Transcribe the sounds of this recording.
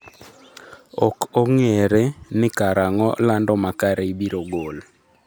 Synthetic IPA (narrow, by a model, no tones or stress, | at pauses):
ɔkoŋeɾenɪkaɾaŋɔ̰landɔmakaɾeibiɾoɡol